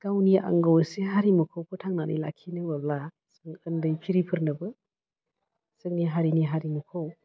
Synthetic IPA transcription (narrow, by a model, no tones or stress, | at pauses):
kawniʔa̰ŋɡowseɦaɾimɐkʰawkʰɯtʰaŋnanɐ̰jla̰kʰːinɯbɐbla | sɯŋəndɯjpʰiɾipʰɯɾnɯbɯ | sɯŋniɦaɾiniɦaɾimukʰow